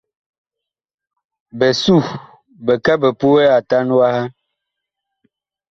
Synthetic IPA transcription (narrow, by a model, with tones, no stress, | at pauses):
bɛ˨su˦˨ | bɛ˨ka˦bə˨pu˦wɛ˦a˨ta˦nu˦wa˦ha˦